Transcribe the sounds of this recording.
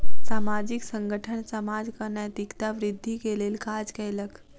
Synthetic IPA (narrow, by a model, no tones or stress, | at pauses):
samad͡ʑiksəŋɡəʈʰəɳsəmad͡zkəɾɳjat̪ikt̪aʋɾid̪ʱːikelelkad͡zkɛlək